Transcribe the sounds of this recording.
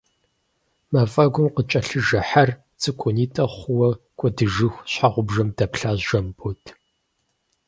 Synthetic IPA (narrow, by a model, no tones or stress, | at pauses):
mɐfʼɐɡʷʊmqət͡ʃʼɐɬɨʒɐħar | t͡sʼɨkʷʰʼʊniːtʼɐχʷʊwɐ | kʷʼɔdɨʒɨxʷɕħaʁʷʊbʒɐmdɐpɬaːʑʒɐmpʰutʰ